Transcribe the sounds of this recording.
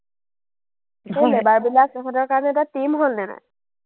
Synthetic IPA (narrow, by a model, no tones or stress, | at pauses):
holɛbaɹbilaksɛkʰɔdɔɹkaɹɔnɛtatimɦolnɛna̰